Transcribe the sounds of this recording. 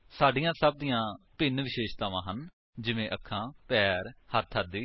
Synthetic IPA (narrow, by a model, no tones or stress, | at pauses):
saːɖijãːsəb̚d̪ijãːpɪnʋɪʃeːʃt̪aːʋãːɦən | d͡ʒɪʋẽːʔəkʰːãːpɛːɾhət̪ʰːəd̪iː